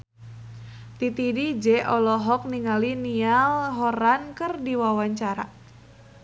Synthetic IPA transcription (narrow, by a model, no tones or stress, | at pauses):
t̪it̪idid͡ʒɛʔɔlɔɦɔk̚niŋalinialɦɔɾankərdiwawaɲt͡ʃaɾa̰